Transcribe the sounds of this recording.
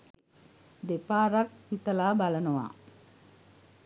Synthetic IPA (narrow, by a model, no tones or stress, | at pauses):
d̪epaːɾɐk̚hit̪ɐlaːbalɐnuʋa̰ː